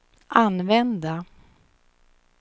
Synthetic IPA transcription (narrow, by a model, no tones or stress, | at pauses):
ʔanvɛnd̪a